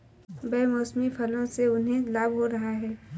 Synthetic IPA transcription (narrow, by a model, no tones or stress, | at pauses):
bɛmoːsmipʰɐlõseʊnɦẽlaːbɦoɾɐɦaɦɛː